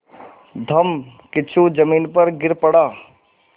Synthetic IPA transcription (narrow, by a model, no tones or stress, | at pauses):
d̪ʱɐmkɪt͡ʃʰud͡ʒəmiːnpəɾɡɪɾpəɽaː